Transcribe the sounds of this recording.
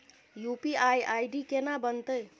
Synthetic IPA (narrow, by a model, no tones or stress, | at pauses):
jupiajajɖikenabənt̪əj